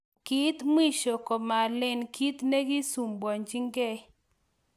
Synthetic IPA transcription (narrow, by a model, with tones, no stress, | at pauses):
ki˦t̪m˦i˦ʃo˨kɔ˨ma˨lɪ˨nki˦t̪ne˦ɡi˦su˨mbɔ˨ɲd͡ʒi˦ŋɡɛ˦